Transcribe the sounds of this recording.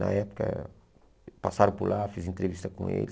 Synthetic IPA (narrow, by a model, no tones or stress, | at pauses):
nɐɛpu̥kɐ̰ | pasaɾũpuɾlˠafizẽnt̪ɾeviʃt̪ɐkõḛʎ